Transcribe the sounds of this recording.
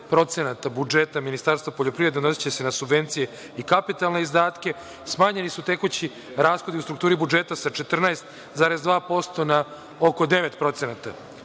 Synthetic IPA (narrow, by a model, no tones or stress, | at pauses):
pɾo̞t̪senat̪abud͡ʒet̪aminist̪aɾst̪vapoʎo̞pɾiʋɾe̞d̪eno̞si̥t͡ɕe̞se̞nasubʋe̞nt̪sije̞ | ikapit̪alˠne̞izd̪aːt̪kʲe̞ | smaːɲe̞nisut̪e̞kut͡ɕi | ɾaːsxo̞d̪iusɾuk̚t̪uːɾibud͡ʒet̪asat͡ʃe̞t̪r̩naest̪ | zaːɾe̞zd̪ʋaːpo̞st̪o̞na | oko̞d̪e̞ʋe̞t̪pɾo̞t̪se̞nat̪a̰